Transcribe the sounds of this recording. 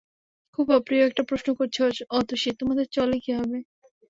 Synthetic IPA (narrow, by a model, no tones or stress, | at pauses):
kʰubɔpɾioɛk̚ʈapɾoʃnokoɾt͡ɕʰeot͡ʃɔt̪oʃit̪omad̪ʱet͡ɕɔlekiɦɔbe